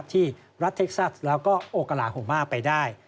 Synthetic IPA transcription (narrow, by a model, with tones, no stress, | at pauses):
p̚t̪ʰiː˥˩ | ɾa˦˥t̪ʰːe˦˥k̚sa˦˥˩slɛː˦˥wkɔː˥˩ʔoː˧ka˧laː˨˩˦hoː˨˩˦maː˥˩pa˧jdaː˥˩j